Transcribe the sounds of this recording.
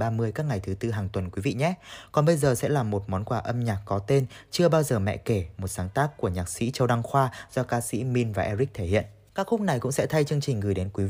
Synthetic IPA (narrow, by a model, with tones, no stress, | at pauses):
ɓaː˧mɨ˧əjkaː˦˥k̚ŋa˨˩jt̪ʰɨ˨˦t̪ɨ˧ɦaː˨˩ŋt̪wə˨˩nkwi˨˦vḭ˧˨ɲɛ˦˥kɔ˨˩nɓə˧jzəː˨˩sɛ̰˧˥laː˨˩mo˨˩t̚mɔ˨˦nkwaː˧˩ʔə˧mɲaː˨˩k̚kɔ˨˦t̪e˧nt͡ɕɨ˧əɓaː˧wzəː˨˩mɛ̰˧˨ke˧˩mo˨˩t̚saː˨˦ŋt̪aː˦˥kːu˧˩əɲaː˨˩k̚sḭ˧˥t͡ɕə˧wɗa˧ŋxwaː˧z̥ɔ˧kaː˧sḭ˧˥mi˧nvaː˨˩ʔɛ˧zi˦˥k̚t̪ʰe˧˩hḭ˧˨ən | kaː˦˥k̚xʊ˦˥k͡p̚na˨˩jkʊ̰˧˥ŋ͡msɛ̰˧˥t̪ʰa˧jt͡ɕɨ˧əŋt͡ɕï˨˩ŋ̟ɣɨː˨˩jɗe˨˦nkwi˨˦